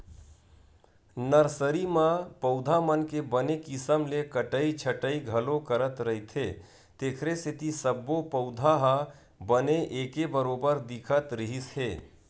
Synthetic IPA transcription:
nəɾsəɾimãpəʊd̪ʱamənkebənekɪsəmlekəʈəit͡ʃʰəʈəiɡʱəlokəɾət̪ɾəɦit̪ʰɦe | t̪eːkʰɾeset̪isəbːopəʊd̪ʱaɦə | bəneʔeːkebəɾobəɾd̪ikʰət̪ɾəɦisɦeː

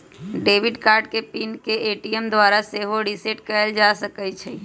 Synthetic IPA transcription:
ɖeːʋɪɖkaːɾɖkepinkeʔeːʈiemd̪ʋaːɾaseɦoɖiseʈkəəld͡ʒasəkət͡ʃʰɛ

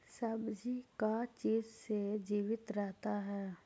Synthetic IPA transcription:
sɐbd͡ʒikat͡ʃiːzsed͡ʒiːʋɪt̪ɾɛɦt̪aɦɛː

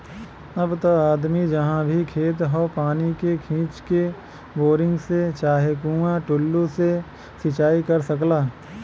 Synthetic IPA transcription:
ɐbt̪oaːd̪mid͡ʒɐɦãbʱikʰeːt̪̬ɦoːpaːnikekʰĩːt͡ʃke | boːɾɪ̃ŋɡset͡ʃaːɦekuãʈʊlːuse | sɪt͡ʃaːikɐɾsɐklaː

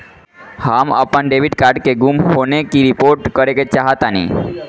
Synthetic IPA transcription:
hamə̰pənɖeʋiɖkaːɾɖkeɡumɦonekiɾipoɾʈkəɾeket͡ʃaɦət̪anḭ

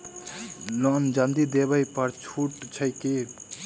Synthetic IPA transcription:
lɔnd͡ʒand̪id̪ebəjpəɾt͡ʃʰuʈt͡ʃʰəjke

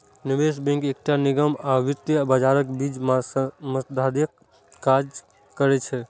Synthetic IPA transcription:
nibesbɛ̃ŋkek̚ʈaniɡəmaʋit̪ːjəbəd͡ʒaɾəkbid͡ʒmməsd̪ʱaɾjəkː | ad͡ʒ | kəɾɛt͡ʃʰɛ

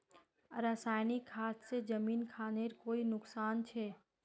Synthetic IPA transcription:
ɾaːsaːɪnikʰːaːt̪sed͡ʒɐmiːnkʰaːneɾkoːinʊksaːnt͡ʃʰɛː

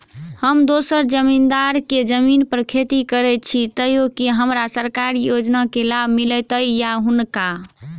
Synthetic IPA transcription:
həmd̪osəɾd͡ʒəmind̪aɾked͡ʒəminpəɾkʰet̪ikəɾɛt͡ʃʰit̪əjokeɦəmɾasəɾkaɾjod͡ʒnakelabʱmilɛt̪əjjaɦunka

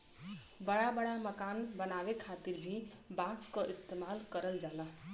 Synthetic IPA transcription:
bəɽabəɽaməkanbənabekʰat̪iɾbʱi | baskəʔist̪emalkəɾəld͡ʒalə

